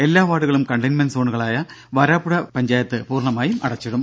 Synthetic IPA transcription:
e̞lːaːʋaːɽuɣɐɭumkɐɳɖɐjnmɐnsoːɳuɣɐɭaːjɐ | ʋɐɾaːpːuɽɐpɐɲd͡ʑaːjɐt̪ːɨpuːrɳɐmaːjumʔɐ̰ɽɐt͡ɕːɐɽum

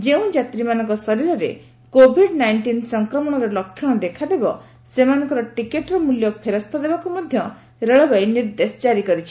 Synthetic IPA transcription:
d͡ʒeũd͡ʒat̪ɾimanɔŋkɔsɔɾiɾɔɾe | kobʱiɖnajɳʈinsɔŋkɾɔmɔɽ̃ɔɾelɔkʰːjɔɽ̃ɔd̪ekʰad̪ebɔ | semanɔ̃ŋkɔɾɔʈikeʈɔɾɔmuljɔpʰeɾɔst̪ɔd̪ebakumɔd̪ʱjɔ | ɾeɭɔbajniɾd̪esɔd͡ʒaɾikɔɾit͡ʃʰi̥

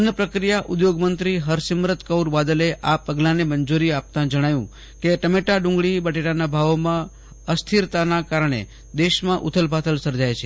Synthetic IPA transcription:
ənəpɾəkɾijaʔud̪joɡmənt̪ɾiɦəɾsimɾət̪kəwɾbad̪əleʔapəɡlãnemənd͡ʒuɾiap̚t̪ãd͡ʒəɽ̃ajũ | keʈəmeʈaɖʊũŋɡɭibəʈeʈanabʱaʋomã | əst̪ʰiɾt̪anakaɾəɳ̃ḛ | d̪eʃmãʔṵt̪ʰəlbʱat̪ʰəlsəɾd͡ʒajt͡ʃʰe

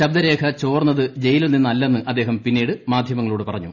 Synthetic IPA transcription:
ɕɐb̚d̪ɐɾe̞ːkʰɐt͡ɕo̞ːrnːɐðɨd͡ʑe̞jiluninːɐlːe̞nːɨʔɐd̪ːeːɦɐmpinːiːɽɨmaːd̪ʱjɐmɐŋːɐɭuːɽepɐrɐɲːṵ

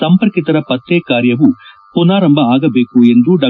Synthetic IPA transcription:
sɐmpɐɾkit̪ɐɾɐpɐt̪ːeːkaːɾjɐʋu | punaːɾɐmbʱɐaːɡɐbe̞ːkue̞nd̪uɖɐ

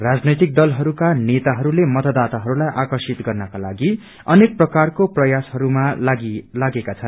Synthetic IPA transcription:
rad͡znʌjt̪ik̚d̪ʌlɦʌɾukanet̪aɦʌɾulemʌt̪ʌd̪at̪aɦʌɾulajʔakʌrsit̪ɡʌrnʌkala̰ɡi | ʌnek̚prʌkarkoprʌjasɦʌɾumaɡlaɡekat͡sʰʌn

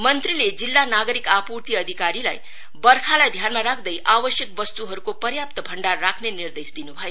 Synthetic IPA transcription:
mʌnt̪riled͡zilːanaɡʌɾikapuɾt̪iʌd̪ʱikaɾila̰j | bʌrkʰalajd̪ʱjanmaɾakʰd̪ʌjʔabʌsjʌkbʌst̪uɦʌɾukopʌɾjap̚t̪ʌbʱʌɳɖarːakʰnenird̪esd̪inubʱʌjo

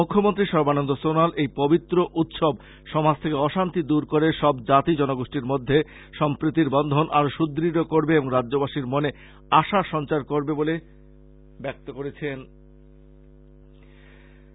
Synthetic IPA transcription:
ukʰːomont̪ɾiʃɔɾbanond̪osonalʔejpobit̪ːɾoʔut̪ʃob | ʃɔmɦad͡ʑt̪ʰekeɔʃant̪id̪uɾkoɾeʃɔbd͡ʑat̪id͡ʑɔnoɡoʃʈiɾmod̪ʱːe | ʃɔmpɾit̪ːiɾbɔnd̪ʱonʔaɾoʃud̪ɾiɾokoɾbeeboŋɾadd͡ʑobaʃiɾmone | aʃaʃɔnt͡ɕaɾkoɾbebole | bɛk̚t̪okoɾet͡ɕʰen

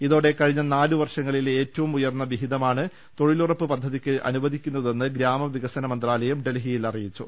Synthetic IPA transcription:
iðo̞ːɽe̞kɐɻiɲːɐnaːluʋɐrʂɐŋːɐɭile̞ːtːɐʋumujɐrnːɐʋiɦiðɐmaːɳɨ | t̪o̞ɻilurɐpːɨpɐd̪ʱːɐðikʲːɨʔɐ̰nuʋɐðʱikʲːunːɐðe̞nːɨɡɾaːmɐʋiɣɐsɐnɐmɐnd̪raːlɐjɐmɖe̞lɦijilɐrijit͡ɕːu

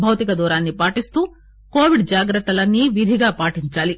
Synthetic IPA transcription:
bʱɐʋt̪ikɐd̪uːɾaːnːipaːʈist̪uː | koːʋiɖd͡ʒaːɡɾɐt̪ːɐlɐnːiʋid̪ʱiɡaːpaːʈiɲt͡ʃaːli

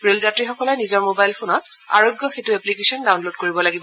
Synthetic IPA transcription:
bɹelzatɹixɔkɔlɔnizɔɹmobajlpʰonɔt̚a̰ɹoɡjɔxetuɛplikesɔndawnlod̚koɹibɔlaɡibɔ

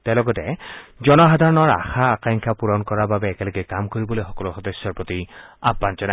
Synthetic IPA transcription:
tɛlɔɡɔtɛzɔnɔxadʱaɹɔnɔɹa̰xʰaːkaŋkʰapuɹɔnkɔɹababɛːkɛlɔɡɛkamkoɹibɔlojxɔkɔlɔxɔdɔsɔɹpɹotia̰pːant͡ʃɔna

